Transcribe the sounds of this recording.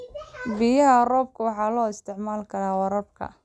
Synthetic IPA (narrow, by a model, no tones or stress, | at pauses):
bijɐɦɐrɔːb̚kʰʊwɑħɑːlɔːɪst̪ʰɪʕmaːlkʰɐɾaːwɐɾɐb̚kʰɐ̰